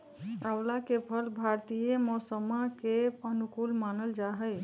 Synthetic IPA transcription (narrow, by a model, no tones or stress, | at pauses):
awlakepʰəlbʱaɾt̪ijemɔsəmakeənukulmanəld͡ʒaɦəj